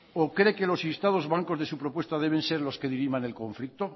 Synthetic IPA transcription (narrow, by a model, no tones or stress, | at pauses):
okɾeke̞lo̞sist̪að̞o̞zβaŋko̞zðesupɾopwe̞st̪að̞e̞β̞ẽ̞nseɾlo̞ske̞ðiɾimane̞lko̞ɱflik̚t̪o